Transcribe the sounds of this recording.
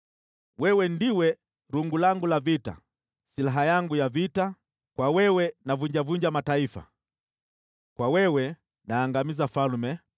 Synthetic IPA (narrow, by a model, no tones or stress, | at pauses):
wɛwɛndiwɛ | ɾuŋɡulaŋɡulavita̰ | silaɦajaŋɡujavita | kwawɛwɛnavuɲd͡ʒavuɲd͡ʒamataifa̰ | kwawɛwɛ | naːŋɡamizafalmɛ